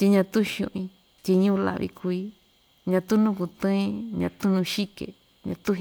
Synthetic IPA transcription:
t̪i˧ɲã˧t̪u˦˧ʃṵ̃˧ʔĩ˧ | t̪ʲi˧ɲũ˦˧la̰˧βḭ˧kʰu˧i˦ | ɲã˧t̪u˦nũ˦ku˧t̪ɨ̃˦ĩ˦˧˦ɲã˧t̪ũ˦nũ˧ʃi˦kḛ˨ | ɲã̰˧t̪u˦

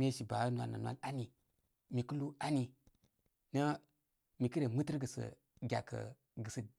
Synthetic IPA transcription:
m˦e˦ʃi˨ba˨˦nwa̰˨na̰˨nwa̰˦la˦ni˨ | mi˨ku˦lu˦a˦ni˨ | nə˦ | mi˨kə˦ɾe˨mɨ˦tə˦ɾɡə˨sə̰˨ | ɡʲa̰˨kə̰˨ | ɡə˨sə˨

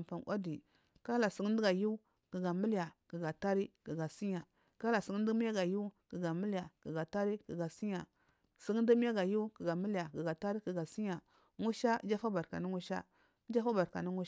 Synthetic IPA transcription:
pa˨na̰˦di˨ | ka˦la˨si˨˦ŋ˦di˦ɡa˨ju˦ | ki˨ɡa˨mi˦lja˨ki˨ɡa˨ta˦ɾi˦ki˨ɡa˨si˦ɲa˨ | ka˦la˨si˨˦ŋ˦di˦m˦ja˦ɡa˨ju˦ki˨ɡa˨mi˦lja˨ki˨ɡa˨ta˦ɾi˦ki˨ɡa˨si˦ɲa˨ | si˦ŋ˦di˦m˦a˦ɡa˨ju˦ki˨ɡa˨mi˦lja˨ɡi˨ɡa˨ta˦ɾi˦ki˨ɡa˨si˦ɲa˨ | ŋu˦ʃa˦d͡ʒa˦fa˦ba˨ɾka̰˨ni˦ŋu˦ʃa̰˦ | d͡ʒa˦fa˦ba˨ɾka̰˨ni˦ŋu˦

